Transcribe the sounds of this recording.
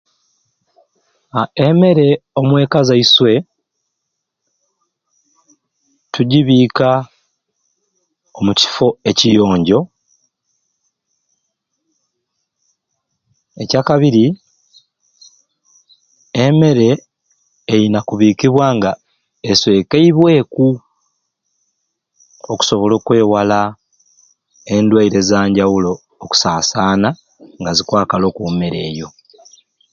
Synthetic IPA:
aeme̞ɾe̞o̞mwe̞ːkazaiswe̞ | tuɟiβiːka | omuci̥fo̞e̞cijo̞ːɲɟo̞ | ecaːkaβiɾi | eme̞ɾe̞ː | jinakuβiːkiβwaːŋɡa | eswe̞ːkeiβwe̞ːku | o̞ku̥so̞βolo̞ːkwe̞ːwala | e̞ndwaiɾe̞zaːɲɟawulo̞ː | ku̥saːsaːna | ŋɡazikwaːkalo̞kume̞ɾe̞ːjo̞

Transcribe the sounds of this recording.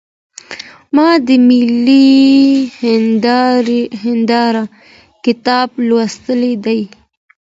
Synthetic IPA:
mɑd̪əmɪli | ɦɪnd̪ɑɾa | kɪt̪ɑblwast̪əled̪aj

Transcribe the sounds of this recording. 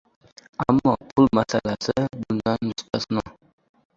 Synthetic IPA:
amːapʰulmasalasɨbulnanmust̪asna

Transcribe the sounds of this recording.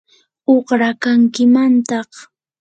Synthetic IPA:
oχɾakaŋkɪmant̪ɑχ

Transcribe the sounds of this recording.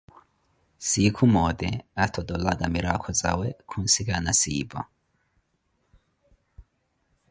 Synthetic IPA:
sikʰumɔdɛatʰɔdɔladʼamiɾakʰɔt͡sawɛkʰun̩sikanasḭːba̰

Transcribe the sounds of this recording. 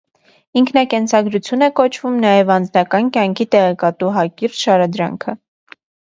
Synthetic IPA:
iŋkʰnɑkɛnt͡sʰɑɡɾut͡sʰjunɛkɔt͡ʃʰvumnɑjɛvɑnd͡znɑkɑnkjɑŋkʰit̪ɛʁɛkɑt̪uɦɑkiɾʃɑɾɑd̪ɾɑ̰ŋkʰə

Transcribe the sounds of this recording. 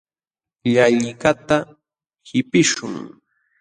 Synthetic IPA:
ʎaʎɪkat̪a | hɪpɪʃʊ̰ŋ

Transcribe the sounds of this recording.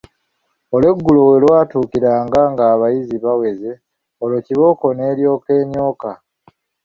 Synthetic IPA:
o̞lwe̞ɡːulo̞we̞lwaːtuːkiɾaːŋɡaŋɡaːβajiziβawe̞ze̞ | olo̞ciβo̞ko̞ne̞ːɾjo̞ːke̞ːɲo̞ːka

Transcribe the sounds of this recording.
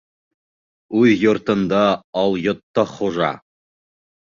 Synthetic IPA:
ʉðjŏɾt̪ɤ̆nd̪ɑɑlˠjŏt̪ːɑχuʒɑ̰

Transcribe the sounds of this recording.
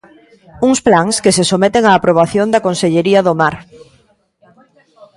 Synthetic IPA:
uŋsplaŋskesesomet̪eŋaːpɾoβ̞aθjõnd̪akõnseʎeɾiɐðomaɾ

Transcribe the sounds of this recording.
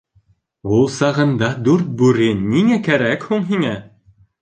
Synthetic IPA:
ulˠsɑʁɤ̆nd̪ɑd̪ʉɾt̪̚bʉɾɘnːiŋækæɾækhuɴɦiŋæ

